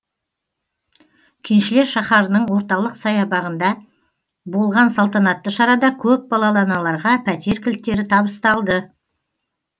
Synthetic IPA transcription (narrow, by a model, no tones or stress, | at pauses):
kʲʰɪnʃɪle̞ɾʃɑχɑɾənəɴwo̞ɾt̪ɑlˠəqsɑjɑbɑʁənd̪ɑ | bolˠʁɑnsɑlˠt̪ɑnɑt̪ːəʃɑɾɑd̪ɑkʲʰɵp̚bɑlˠɑlˠɑnɑlˠɑɾʁɑpʰæt̪e̞ɾkʲʰɪlt̪ːe̞ɾɪt̪ʰɑbəst̪ɑlˠd̪ə